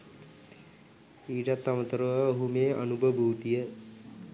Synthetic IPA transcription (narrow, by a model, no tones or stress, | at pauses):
iːʈat̪ːamət̪əɾəʋəoɦumeːə̰nubʱəbʱuwt̪ijə